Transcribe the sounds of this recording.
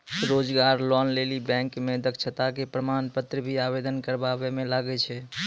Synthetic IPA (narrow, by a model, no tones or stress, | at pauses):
ɾod͡ʒɡaɾlɔnlelibɛ̃ŋkmed̪əkt͡ʃʰət̪akepɾəmanpət̪ɾəbʱiabed̪ənkəɾbabɛmelaɡɛt͡ʃʰɛ